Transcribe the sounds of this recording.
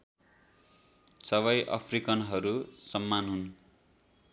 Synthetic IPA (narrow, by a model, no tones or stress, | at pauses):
sʌβʌjʔʌ̰pʰrikʌnɦʌɾusʌmːanɦun